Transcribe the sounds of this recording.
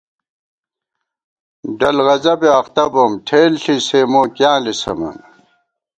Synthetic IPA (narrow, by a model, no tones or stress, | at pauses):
ɖɐlɣɐzɐbeɐxt̪ɐbomʈʰeːlɬiseːmoːkjãːlisɐ̰mɐ̰n